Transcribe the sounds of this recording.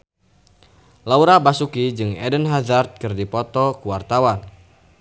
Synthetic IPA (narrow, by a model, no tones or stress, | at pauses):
lauɾabasukid͡ʒɨŋɛ̰dənɦadart̪̚kɨrdipɔt̪ɔkuwart̪awan